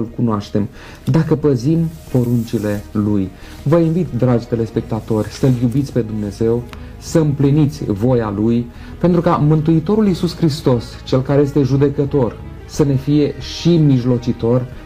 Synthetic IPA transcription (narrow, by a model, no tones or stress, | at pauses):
ɨlkunoaʃt̪e̞m | d̪akəpəzimpo̞ɾunt͡ʃile̞luj | vəinvit̪d̪ɾad͡ʒt̪ele̞spe̞k̚t̪at̪o̞rʲsəljubit̪sʲpe̞d̪umne̞ze̞w | səɨmplinit̪sʲvo̞jaluj | pe̞nt̪ɾukamɨnt̪̬uit̪o̞ɾulisuskɾist̪o̞s | t͡ʃe̞lkaɾe̞je̞st̪e̞ʒud̪e̞kət̪o̞r | səne̞fije̞ʃimiʒlo̞t͡ʃit̪o̞r